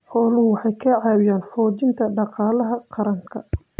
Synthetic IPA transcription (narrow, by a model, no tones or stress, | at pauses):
ħɔːlʊhʊwɑħɑjkʰɐʕɑːwɪjaːnfɔːt͡ʃɪnt̪ʰɐɖɑqɑːlɐɦɐqɑɾɐŋkʰɐ